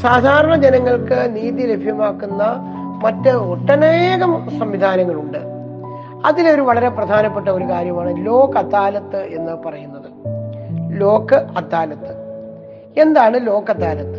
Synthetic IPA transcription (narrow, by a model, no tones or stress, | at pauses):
saːd̪ʱaːɾɐɳɐd͡ʑenɐŋːɐɭkɨniːðile̞bʱjɐmaːkːunːɐ | mɐtːɨoʈːɐneːɣɐmsɐmʋid̪ʱaːnɐŋːɐɭuɳɖɨ | ɐðilo̞ɾuʋɐɭɐɾe̞prɐd̪ʱaːnɐpːe̞ʈːɐo̞ɾukaːɾjɐmaːɳɨlo̞ːkːɐt̪ːaːlɐt̪ːɨʔe̞nːɨpɐrɐjunːɐðɨ | lo̞ːkːɨɐt̪ːaːlɐt̪ːɨ̥ | e̞nd̪aːɳɨlo̞ːkɐt̪ːaːlɐt̪ːɨ